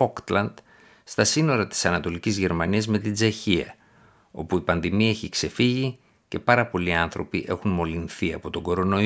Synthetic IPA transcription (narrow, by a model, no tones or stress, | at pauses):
okt̪lɐnd̪̥ | st̪ɐsino̞ɾɐt̪i̥sɐnɐt̪o̞licizʝe̞ɾmɐniɐzme̞t̪id͡zeçiɐ̰ | o̞̰puipɐnðimie̞çikse̞fiʝi | ce̞pɐɾɐpo̞liɐnθɾo̞̰piʔe̞xunmo̞linθiɐ̰po̞t̪o̞ɡo̞ɾo̞no̞